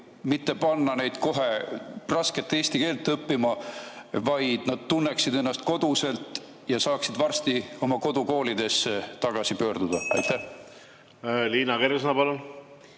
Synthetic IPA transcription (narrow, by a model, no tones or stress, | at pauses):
mit̪ːe̞pɑnːɑne̞jd̪̥ko̞ɦe̞rɑske̞t̪ːˑeːst̪ike̞ːlt̪ːɤpːimɑvɑjd̪̥nɑd̪̥̚t̪unːeksid̪e̞nːɑst̪ko̞d̪̥use̞lt̪ˑ | jɑsɑːksid̪vɑrst̪io̞mɑko̞d̪̥uko̞ːlid̪e̞sːet̪ɑɡ̥ɑsipø̞ːrd̪̥ud̪̥ɑɑ̰jt̪ːæh | liːnɑkeɾs̬ɤnɑpɑlun